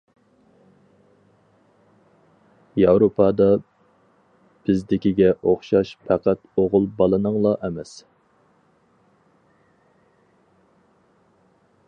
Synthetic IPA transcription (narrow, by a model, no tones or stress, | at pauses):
jɑwɾopʰɑd̪ɑ | b̥ɪzd̪ɪkʲiɡʲɛʔoχʃɑʃpʰæqæt̪oʁʊlˠbɑlˠɨnɨŋlˠɑʔɛmɛs